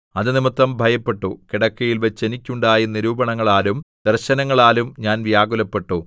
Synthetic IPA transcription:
ɐðɨnimɐt̪ːrɐmbʱɐjɐpːe̞ʈːukiɽɐkːɐjilʋɐt͡ɕːe̞nikʲːuɳɖaːjiniɾuːbɐɳɐŋːɐɭaːlumd̪̥ɐrɕɐnɐŋːɐɭaːlumɲaːnʋjaːɡulɐpːe̞ʈːu

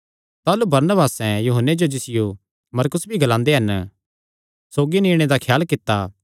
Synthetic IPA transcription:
t̪aːlubɐɾnəbaːsɛ̃juːɦənːed͡ʒod͡ʒɪsɪjo | mɐɾkʊsbʱiɡɐlãːnd̪eɦɐn | soːɡiniːɽ̃ed̪akʰjaːlkɪt̪ːaː

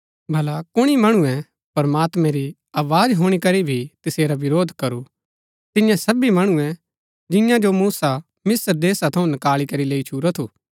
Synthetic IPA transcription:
bʱɐlakʊɽ̃imɐɽ̃uɛ̃ | pɐɾɐmaːt̪mɛ̃ɾi | aːʋaːd͡ʒɦoːɽ̃ikɐɾibʱit̪ɪseːɾaʋɪɾoːd̪ʱkɐɾu | t̪ɪjãsɐbimɐɽ̃uɛ̃ | d͡ʒɪ̃jãd͡ʒomuːsa | mɪsəɾd̪eːsat̪ʰɐũnɪkaːlikɐɾileːit͡ʃʰuːɾɔt̪ʰuː

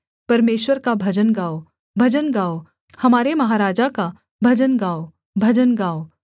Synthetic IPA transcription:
pɐɾmeːʃwəɾkabʱɐd͡ʒənɡaːo | bʱɐd͡ʒənɡaːo | hɐmaːɾemɐɦaːɾaːd͡ʒaka | bʱɐd͡ʒənɡaːo | bʱɐd͡ʒənɡaːo

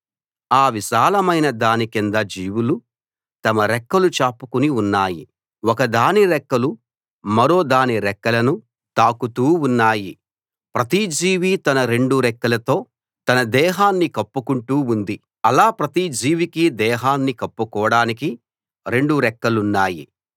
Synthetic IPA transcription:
aːʋiʃaːlɐmɐjnɐd̪aːnikind̪ɐd͡ʒiːʋulu | t̪ɐmɐɾɛkːɐlut͡ʃaːpːukuniunːaːjḭ | wɔkɐd̪aːniɾɛkːɐlu | mɐɾo̞ːd̪aːniɾɛkːɐlɐnu | t̪aːkut̪uːunːaːji | pɾɐt̪id͡ʒiːʋit̪ɐnɐɾe̞ɳɖuɾɛkːɐlɐt̪o̞ː | t̪ɐnɐd̪ɛːɦaːnːikɐpːukuɳʈuːund̪i | ɐlaːpɾɐt̪id͡ʒiːʋikid̪ɛːɦaːnːikɐpːukɔːɽaːniki | ɾe̞ɳɖuɾɛkːɐlunːaːjḭ

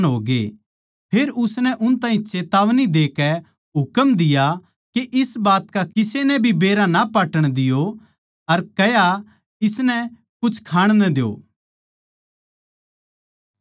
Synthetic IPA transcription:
nɦoːɡḛ | pʰeːɾʊsnɛʔʊnt̪ãːɦĩt͡ʃeːt̪aːʋnid̪eːkɛ | ɦʊkəmd̪ɪja | keʔɪsbaːt̪kaɪsenɛbʱibeːɾãnapaːʈəɽ̃d̪ɪjo | ɐɾkɐja | ɪsnɛ | kʊt͡ʃʰkʰaːɽ̃nɛ̃d̪ejo̰ː

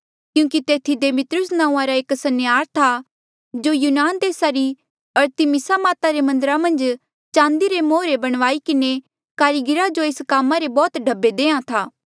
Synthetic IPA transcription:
kjũːkit̪eːt̪ʰid̪eːmɪt̪ɾʊsnãːũãɾaeːksɐnjaːɾt̪ʰa | d͡ʒojuːnaːnd̪eːsaɾi | ɐɾt̪ɪmɪsamaːt̪aɾemɐ̃nd̪əɾamɐ̃nd͡ʒ | t͡ʃãːnd̪iɾemoːɾebɐɽ̃ʋaːikɪne | kaːɾiɡɪɾad͡ʒoeːskaːmːãɾebɔːt̪ɖʱɐbːed̪ẽːãt̪ʰaː

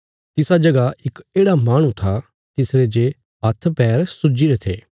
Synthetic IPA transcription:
t̪ɪsad͡ʒɐɡaɪkeːɽamaːɽ̃ũt̪ʰa | t̪ɪsɾed͡ʒe | ɦɐt̪ʰpɛːɾsʊd͡ʒiɾet̪ʰḛː

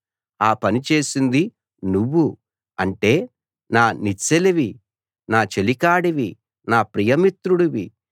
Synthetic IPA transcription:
aːpɐnit͡ʃe̞ːsind̪i | nuʋːu | ɐɳʈe̞ː | naːnit͡ʃːeliʋi | naːt͡ʃe̞likaːɽiʋi | naːpɾijɐmit̪ɾuɽiʋḭ

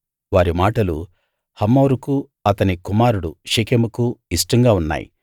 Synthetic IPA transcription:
ʋaːɾimaːʈɐlṵ | hɐmːoːɾuku | ɐt̪ɐnikumaːɾuɽuʃikemukuisʈɐŋɡaːunːa̰ːjḭ

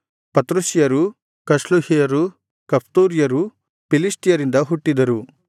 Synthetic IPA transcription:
pɐt̪ɾusijɐɾu | kɐʂluhijɐɾu | kɐpʰt̪uːɾijɐɾu | pilisʈijɐɾind̪ɐɦuʈːid̪ɐɾu

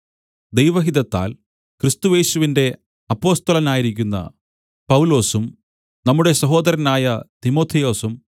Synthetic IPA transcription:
d̪e̞jʋɐɦid̪ɐt̪ːa̰ːl | krist̪uje̞ːɕuʋinde̞ | ɐpːo̞ːst̪ɐlɐnaːjiɾikʲːunːɐ̰ | pɐwulo̞ːsum | nɐmːuɽe̞sɐɦo̞ːd̪ɐɾɐnaːjɐt̪imo̞ːt̪ʰːijo̞ːsum

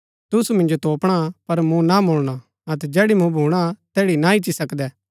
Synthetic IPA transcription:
t̪ʊsumɪ̃nd͡ʒot̪oːpɽ̃apɐɾmũnamʊɭɽ̃a | ɐt̪̬ɛd͡ʒɛːɽimũbʱuːɽ̃at̪ɛːɽinaɪt͡ʃisɐkd̪ɛː

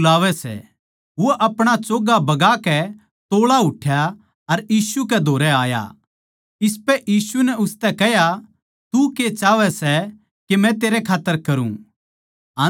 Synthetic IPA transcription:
laːʋɛsɛ̰ | ʋoʔɐpɽ̃at͡ʃoːɡabɐɡakɛ | t̪oːɭaɦʊʈʰja | ɐɾjiːsukɛd̪ʱoːɾɛaːja̰ | ɪs̬pɛʔiːsunɛʊst̪ɛkɛɦja | t̪uket͡ʃaːʋɛsɛ | kemɛ̃t̪eːɾɛkʰaːt̪ːəɾkɐɾṵ̃ | a

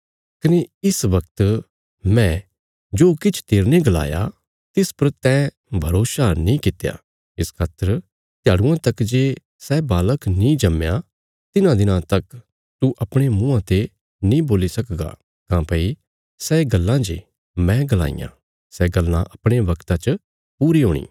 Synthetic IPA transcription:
kɐneɪsʋɐk̚t̪ | mɛ̃ | d͡ʒoːkɪt͡ʃʰt̪eːɾneɡɐla̰ːja̰ | t̪ɪspɐɾt̪ɛ | bʱɐɾoːsanĩkɪt̪ja̰ː | ɪskʰaːt̪əɾ | t̪ɪjaːɽʊ̃ãt̪ɐkd͡ʒeː | sɛbaːləknĩd͡ʒɐmja | t̪ɪnãd̪ɪnãt̪ɐk | t̪uʔɐpɽ̃emũːãt̪e | nĩboːlisɐkɡa̰ | kãːpɐi | sɛɡɐlːãd͡ʒḛ | mɛ̃ɡɐla̰ːḭjã̰ | sɛɡɐlːã̰ʔɐpɽ̃eʋɐkt̪at͡ʃ | puːɾiɦoːɽ̃ḭː

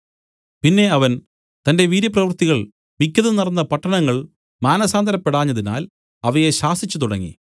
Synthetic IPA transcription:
pinːe̞ɐʋɐn | t̪ɐnde̞ʋiːɾjɐp̬rɐʋɐrt̪iɣɐɭ | mikʲːɐðɨnɐrɐnːɐpɐʈːɐɳɐŋːɐɭ | maːnɐsaːnd̪ʱɐɾɐpːeɽaːɲːɐðina̰ːl | ɐʋɐjeɕaːsit͡ɕːut̪uɽɐŋːḭ

